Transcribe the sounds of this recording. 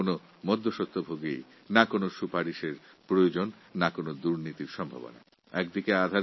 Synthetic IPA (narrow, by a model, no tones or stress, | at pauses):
ono | mɔd̪ʱːoʃot̪ʰːobʱoɡḛj | nakonoʃupaɾiʃeɾpɾojod͡ʑonː | akonod̪uɾnit̪iɾʃɔmbʱa̰bo̰na̰ | ɛkd̪ikead̪ʱaɾ